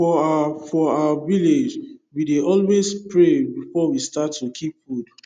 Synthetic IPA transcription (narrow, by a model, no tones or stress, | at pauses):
fɔafɔawaviled͡ʒwideʔɔlwespɹebifɔwistatːukʰipfud